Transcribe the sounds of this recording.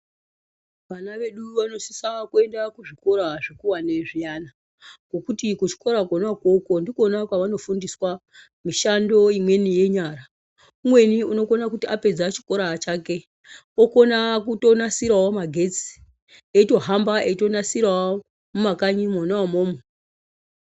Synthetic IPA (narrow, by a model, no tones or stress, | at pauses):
ʋanaʋe̞ɗuʋano̞si̥sakue̞ndakuʐiko̞ɾaʐikuwaneʐijana | ɡokutikut͡ʃi̥ko̞ɾakonakwoko̞ndikonakwaʋano̞fundiswa | miʃando̞imwe̞nije̞ɲara | umwe̞niuno̞ko̞nakutiape̞d͡zat͡ʃi̥ko̞ɾat͡ʃake̞ | oko̞nakuto̞nasiɾawomaɡʱe̞t͡si̥ | eito̞ɦambaeito̞nasirawo | mumakaɲimonaamoːmo